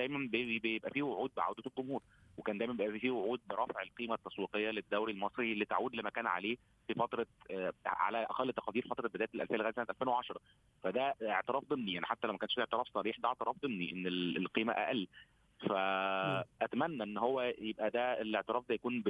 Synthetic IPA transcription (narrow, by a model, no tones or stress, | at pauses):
d̪æjmænbjebejebʔæfiːwoʕuːd̪̚beʕa̰wd̪æt̪elɡomhuːɾˤ | wekæːnd̪æjmæmbeʔæfifiwoʕuːd̪̚beɾˤɑfeʕelqiːmæt̪ːɑsˤwiːqejːæled̪ːæwɾilmɑsˤɾilit̪aʕuːd̪lemækæːnʕa̰leː | fifɑt̪ɾˤɑ | ʕa̰læʔæ̰qælːt̪ːɑ̥qɑd̪iːɾfɑt̪ˤɾˤɑbed̪æːjet̪elʔæ̰lfæːlæːd̪sænæt̪ʔælfeːnweʕɑʃɑɾˤɑ | fæd̪æeʕt̪eɾɑːfd̪ˤemnijaʕniħat̪ːælæwmækænʃfieʕt̪əɾɑːfsˤɑɾiːħd̪æʔeʕt̪eɾˤɑːfd̪ˤemniʔenːellqiːmæ̰ʔæ̰ʔælː | fæ | ʔæt̪æmænːæʔenːɦowːæjebʔæd̪æelːeʕt̪eəɾɑːfd̪æjækuːnb